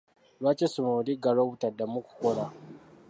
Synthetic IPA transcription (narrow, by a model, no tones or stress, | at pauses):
wat͡ʃesʊmoɽiɡaɽawtadamʊkʷu̥kʷɔɽa